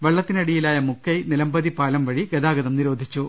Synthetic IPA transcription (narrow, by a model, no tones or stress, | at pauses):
ʋeɭːɐt̪ːinɐɽijilaːjɐmukʰːɐjnilɐmbɐðipaːlɐmʋɐɻiɡɐd̪aːɡɐðɐmniɾo̞ːd̪ʱit͡ɕːu